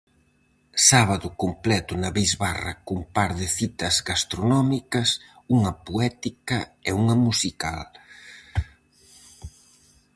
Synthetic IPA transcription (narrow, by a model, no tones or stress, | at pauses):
saβɐðʊkomplɛt̪ʊnɐβejzβarɐ̰kumpaɾðɪθit̪ɐzɡast̪ɾonɔmikɐs | uŋɐpoɛt̪ikɐɛuŋɐmusika̰l